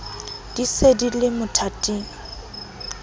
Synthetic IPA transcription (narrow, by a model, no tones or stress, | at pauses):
d̥isedilɪmʊtʰatʼiːŋ̩